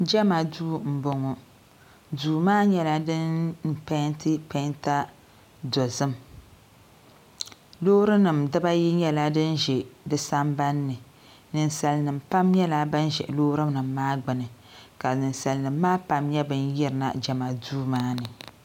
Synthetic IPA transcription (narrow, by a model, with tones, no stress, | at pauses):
d͡ʒa˦ma˨duː˦m̩˨bo˨ŋɔ˨ | duː˨maː˦ɲɛ˦la˦dɨ˦nm̩˨pɛ˦n˦tɨ˦pɛ˦nta˦ | dɔ˨zɨ˦m | loː˦ɾɨ˦nɨ˨mdɨ˦ba˦ji˦ɲɛ˦la˦dɨ˦nʒɛ˨dɨ˦sa˦mba˦nːɨ˨ | nɨ˨n˨sa˨lnɨ˨mpa˦mɲɛ˦la˦ba˦n˦ʒɛ̰˨ʔlo˦ɾɨ˦nɨ˨mːaː˦ɡ͡bɨ˨nɨ˨ | ka˨nɨ˨nsa˨lnɨ˨mːaː˦pa˨mɲɛ˦bɨ˦n˦jɛ˦ɾɨ˨na̰˨d͡ʒa˨ma˨duː˦maː˦nɨ˨